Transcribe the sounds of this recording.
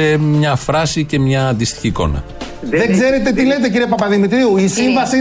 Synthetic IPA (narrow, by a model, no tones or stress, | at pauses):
emɲɐfɾɐsice̞mɲɐːnd̪ist̪i̥çiːko̞̰nɐ̰ | ðeŋɡze̞ɾe̞t̪e̞t̪ile̞t̪̬e̞ciɾiepɐpɐðimit̪ɾiuisiɱvɐsi